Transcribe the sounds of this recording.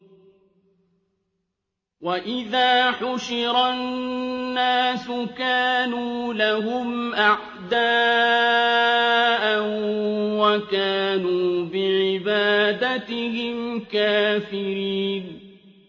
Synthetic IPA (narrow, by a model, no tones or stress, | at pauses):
waʔɪðaːħʊʃɪɾannːaːsʊkaːnuːlaɦʊmʔaʕ | d̪aː | ʔanwakaːnuːbɪʕɪbaːd̪at̪ɪhɪmkaːfɪɾiːn